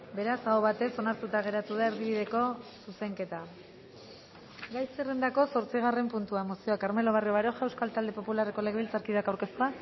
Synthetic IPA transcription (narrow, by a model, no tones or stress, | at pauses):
be̞ɾasaoβat̪e̞so̞naɾt̪ut̪aɣ̞e̞ɾat̪uð̞aeɾðiβ̞iðe̞ko̞suse̞ŋke̞t̪a | ɡajsere̞nd̪ako̞so̞ɾt͡siɣ̞are̞mpunt̪uamosioakaɾme̞lo̞β̞arioβaɾoʝaewskalt̪ald̪e̞po̞pulareko̞leɣeβilt͡saɾkiðakawɾke̞st̪ua